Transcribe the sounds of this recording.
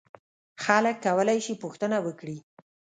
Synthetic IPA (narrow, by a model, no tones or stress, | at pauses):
xaləkːawəlajʃipuxt̪ənawəkɽi